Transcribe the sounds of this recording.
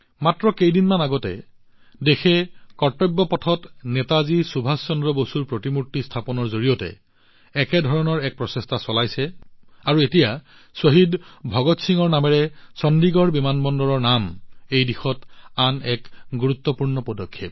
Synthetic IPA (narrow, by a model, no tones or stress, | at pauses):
matɹɔkejdinmanaɡɔtɛ̰ | dexʰɛkɔɹtɔbːɔpɔtʰɔtnɛtazisubʱassɔndɹɔbosuɹpɹotimutːistʰapɔnɔɹzoɹijɔtɛ̰ | ɛkɛdʱɔɹɔnɔɹɛk̚pɹɔsestʰasɔlajsɛaɹuetija | soɦidbʱɔɡɔtsiŋɔɹnamɛɹɛsɔndiɡɔɹbimanbɔndɔɹɔɹnamejdixɔtanɛkɡuɹut̪ːɔpuɹnɔpɔdɔkʰːep̚